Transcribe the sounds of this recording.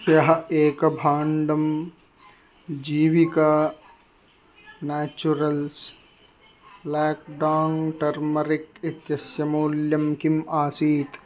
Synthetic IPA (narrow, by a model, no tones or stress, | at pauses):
sjɐɦɐeːkɐbʱaːɳɖɐm | d͡ʒiːʋikaː | næːt͡ʃuɾɐls | blaːk̚ɖaːŋʈɐɾmɐɾikit̪jɐsjɐmoːljɐmkimaːsiːt̪